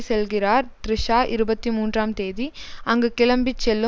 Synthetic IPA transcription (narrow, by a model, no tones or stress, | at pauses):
sɛlɣɪɾaːɾt̪ɾɪʂaːʔɪɾɯbɐt̪ːimuːndraːmt̪eːðiɐŋɡɐkɪlɐmbɪt͡ʃːɛlːɯ